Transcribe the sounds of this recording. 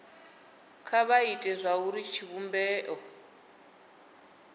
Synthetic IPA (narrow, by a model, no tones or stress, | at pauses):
kʰaβaitʼɛzʷauɾit͡ʃʰiβumbɛːʔɔ